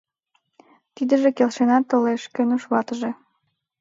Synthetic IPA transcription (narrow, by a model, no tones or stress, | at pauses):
t̪id̪ə̆ʒĕkelʃenɑt̪ːə̆leʃkø̆nuʃβɑt̪əʒĕ